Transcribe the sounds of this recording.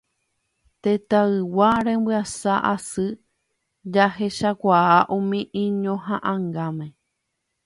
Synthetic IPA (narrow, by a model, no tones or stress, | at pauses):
t̪et̪aɨwaɾẽmbɨasaʔasɨ | d͡ʒaɦeʃakʷaaʔũmĩʔĩɲõɦãʔãŋɡamẽ